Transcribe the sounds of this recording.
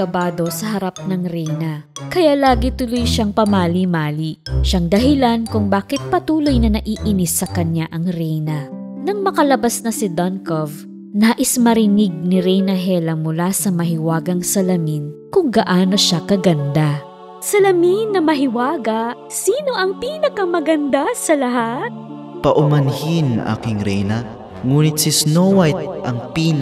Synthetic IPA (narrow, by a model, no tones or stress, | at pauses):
ɐbaːd̪o̞sɐɦɐɾap̚nɐŋɾɛjnɐkɐjalaːɡit̪ʊlojʃaŋpɐmaːlimaːliʃaŋd̪ɐɦɪlankʊŋbaːkɪt̪̚pɐt̪uːlo̞jnɐnɐʔiːʔɪnɪsːɐkɐɲːaʔɐŋɾɛjnɐnɐŋmɐkɐlɐbasnɐsɪd̪ɐnkov | naːʔɪsmɐɾɪnɪɡ̚nɪɾɛjnɐɦɛlɐmʊlasɐmɐɦɪwaːɡɐŋsɐlɐminkʊŋɡɐʔaːno̞ʃakɐɡɐnd̪a | sɐlɐminːɐmɐɦɪwaːɡɐ | siːno̞ʔɐŋpiːnɐkɐmɐɡɐnd̪asɐlɐɦat̪̚ | pɐʔʊmɐnhinʔa̰ːkɪŋɾɛjnɐ | ŋuːnɪt̪̚sisnowajt̪̚ʔɐŋpiːn